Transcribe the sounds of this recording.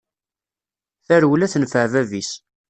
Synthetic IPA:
θæɾwlæθənfəʕvævis

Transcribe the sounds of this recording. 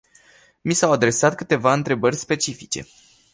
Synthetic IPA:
misawad̪ɾe̞sat̪̚kɨt̪e̞vaɨnt̪ɾe̞bərʲspe̞t͡ʃifit͡ʃe̞̰

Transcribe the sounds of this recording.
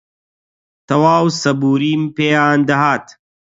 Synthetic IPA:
t̪ɐwaːwsɐbuːɾiːmpeːaːnd̪ɐɦaːt̪

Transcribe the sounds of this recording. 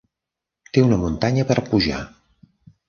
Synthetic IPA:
t̪eunəmunt̪aɲəpəɾpuʒa̰

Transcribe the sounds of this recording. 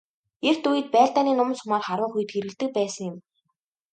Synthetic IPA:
er̥t̪ujɘ̆t̪̚pæːɮt̪aːniːnʊmnsʊmaːrχaɾwʊ̆ːχujɘ̆t̪xeɾɣɘ̆ɮt̪ɘ̆k̚pæːsə̆ŋjɪ̆m

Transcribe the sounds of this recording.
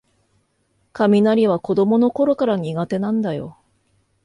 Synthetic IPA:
kamʲinaɾʲiβ̞ako̞d̪o̞mo̞no̞ko̞ɾo̞kaɾaɲ̟iɡat̪e̞nãnd̪ajo̞

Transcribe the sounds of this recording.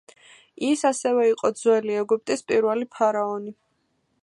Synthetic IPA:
isasɛvɛiqʼɔd̪zwɛliɛɡup̚ʼt̪ʼispʼiɾwɛlipʰaɾaɔni

